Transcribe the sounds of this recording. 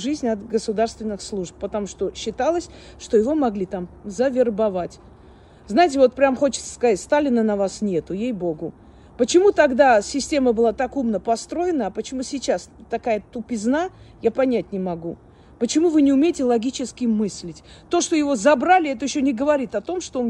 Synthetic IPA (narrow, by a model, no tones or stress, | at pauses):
ʐɨzʲnʲɐt̪ɡəsʊd̪arst̪vʲɪnːɨxslˠuʂp̚ːət̪ɐmuʂt̪o̞ɕːɪt̪alˠəsʲʂt̪o̞jɪvo̞mɐɡlʲit̪amzəvʲɪrbɐvatʲ | znajɪt̬ʲɪvo̞t̪̚pɾʲamxo̞t͡ɕɪ̥t̪sə̥skɐzatʲst̪alʲɪnənɐvasnʲe̞t̪ʊjejbo̞ɡʊ | pət͡ɕɪmut̪ɐɡd̪asʲɪsʲtʲe̞məbɨlˠat̪akumnəpɐst̪ɾo̞jɪnəːpət͡ɕɪmusʲɪt͡ɕast̪ɐkajət̪ʊpʲɪznajapɐnʲætʲnʲɪmɐɡu | pət͡ɕɪmuvɨnʲɪʊmʲejɪtʲɪlˠɐɡʲit͡ɕɪskʲɪmɨsʲlʲɪtʲt̪o̞ʂt̪o̞jɪvo̞zɐbɾalʲɪɛt̪əjɪɕːonʲɪɡəvɐɾʲit̪ɐt̪o̞mʂt̪o